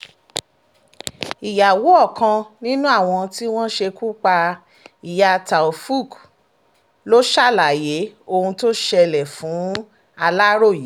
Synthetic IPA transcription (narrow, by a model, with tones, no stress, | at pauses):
i˨ja˨wo˨˦ɔ˦˨kã˧nĩ˦nũ˦a˦˨w̃ɔ̃˧ti˦w̃ɔ̃˦ʃe˧ku˦k͡pa˧ | i˨ja˧˨ta˨o˨fu˦˨k | lo˦ʃa˦˨la˨je˨˦o˧hũ˧to˦ʃɛ˧lɛ˨fũ˨˦ | a˧la˦ɾo˦˨ji˨˦